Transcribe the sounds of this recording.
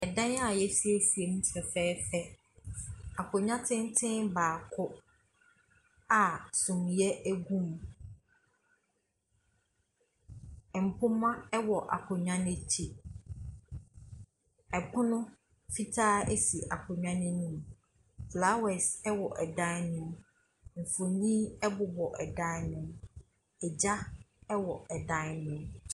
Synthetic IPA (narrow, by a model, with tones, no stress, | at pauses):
ɛ˨dã˦na˨jɛ˦si˦e˦si˨e˨mũ˦tʰɛ˨fɛː˦fɛ˦ | a˨kʰʊ˨ɲã˦tʰɪ̃˦n˦tʰɪ̃˦nbaː˨kʰʊ˦ | a˨sʊ̃˨m˨jɛ˦ʔæ˦ɡũ˦m | ɛ˨m̩˨pʰʊ̃˦mã˦ɛ˦wɔ˨ʔa̰˨kʰʊ˨ɲã˦nɪ̃˦t͡ɕʰi˦ | ɛ˨pʰʊ̃˦nʊ̃˦ | fi˦tʰaː˦ɛ˦si˨ʔa̰˨kʰʊ̃˨ɲᶣã˦nʊ̃˦nũ˦m | fla˨˦wɛ˨sɛ˦wɔ˨ʔɛ˨dã˦nʊ̃˦˨m | ɱ̩˨fʊ˨nĩ˦ɛ˦bʊ˨bɔ˨ʔɛ˨dã˦nʊ̃˦m | ɛ˨d͡ʑa˦ | ɛ˦wɔ˨ɛ˨dã˦nʊ̃˦m